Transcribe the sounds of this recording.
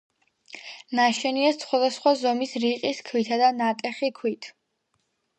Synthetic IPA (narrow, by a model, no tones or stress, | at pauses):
naʃɛniɛssχwad̪asχwazɔmisɾiqʼiskʰwit̪ʰad̪anat̪ʼɛχikʰwit̪ʰ